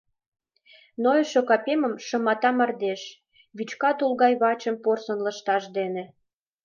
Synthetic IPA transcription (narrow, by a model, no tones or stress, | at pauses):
nojəʃokɑpemə̆mʃə̆mɑt̪ɑmɑrd̪eʃ | βyt͡ɕkɑt̪ulɣɑjβɑt͡ɕəmporsə̆nlə̆ʃt̪ɑʃd̪ene